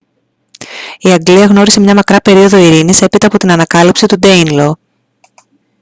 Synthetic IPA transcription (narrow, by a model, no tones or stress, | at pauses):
iɐɡliɐɣno̞ɾise̞mɲɐmɐkɾɐpe̞ɾio̞ðo̞iɾinise̞pit̪ɐːpo̞t̪inɐnɐkɐlipsit̪ud̪e̞inlo̞